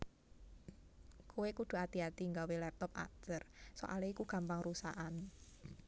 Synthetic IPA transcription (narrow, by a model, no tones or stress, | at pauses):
kʰuwekud̪̥ṳat̪iat̪iŋɡawelɛp̚t̪ɔp̚a̰tərso̰ʔa̰leikuɡ̥a̤mpaŋrusa̰ʔan